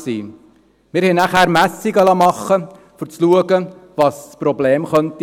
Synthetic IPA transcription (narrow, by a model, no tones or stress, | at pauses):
sḭː | mɪɾhɛnæχæːɾmæsiɡɑlɑmɑχːə | fʊt͡sluəɡəvɑsspɾɔbleːmχœnt̪i